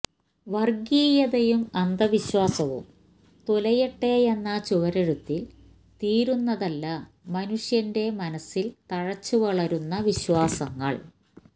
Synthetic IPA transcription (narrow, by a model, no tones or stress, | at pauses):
ʋɐrɡiːjɐðɐjumɐnd̪ɐʋiɕwaːsɐʋṵm | t̪olɐjɐʈːe̞ːjenːɐt͡ɕuʋɐɾɐɾut̪ːil | t̪iːɾunːɐðɐlːɐ | mɐnuʂjɐnde̞mɐnɐsːilt̪ɐɻɐt͡ɕːuʋɐɭɐɾunːɐʋiɕwaːsɐŋːɐ̰ɭ